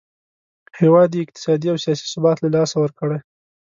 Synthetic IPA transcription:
hewɑd̪jeɪq̚t̪ɪ̥sɑd̪iawsijɑsi̥sʊbɑt̪lalɑsawəɾkəɽaj

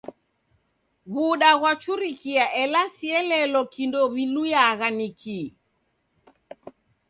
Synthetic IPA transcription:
βuɗaɣwat͡ʃuɾikiaʔɛlasiɛlɛlɔkindɔβilujaɣanikʰi

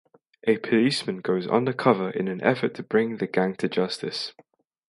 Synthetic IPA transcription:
ʔəpʰəliˑsmə̃nɡoʊzʌ̰̃ndəkʰʌvəɹʔɪ̰̃nə̃nʔɛ̰fətʰəbɹɪ̃ŋðəɡãŋtʰəd͡ʒʌstɪ̰s

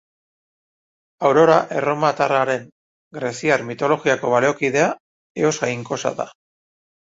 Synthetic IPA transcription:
awɾo̞ɾaʔe̞ro̞mat̪araɾe̞ŋ | ɡɾe̞siaɾmit̪o̞lo̞ɣiako̞βaleokið̞e̞a | e̞o̞sajŋko̞sa̰ða̰

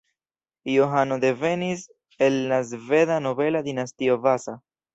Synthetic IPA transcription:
joɦano̞d̪e̞ve̞nis | e̞lːazve̞ðano̞ve̞lad̪inast̪io̞vasa

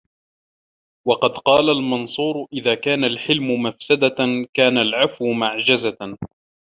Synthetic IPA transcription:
wɑqɑd̪qɑːlalmɑnsˤuːɾʊʔɪðaːkaːnalħɪlmʊmafsad̪akaːnalʕafwʊmaʕd͡ʒaza

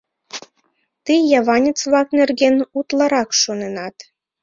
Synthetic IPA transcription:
t̪ijjɑβɑnʲĕt͡sβɑknerɡʲenut̪lˠɑɾɑkʃonenɑt̪

